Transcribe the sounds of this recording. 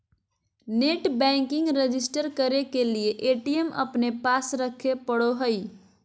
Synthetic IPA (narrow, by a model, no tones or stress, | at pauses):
neʈbɛ̃ŋkiŋɡɾed͡ʒisʈəɾkəɾekelieʔeʈijemə̰pnepasɾəkʰepəɽoɦəj